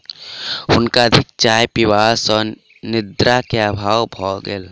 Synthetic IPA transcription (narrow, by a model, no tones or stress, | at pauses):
ʊnkaəd̪ʱɪk̚t͡ʃaːjpiwaːsɔːɾ | nɪd̪ɾakeaːbʱaːwbʱɔːɡḛl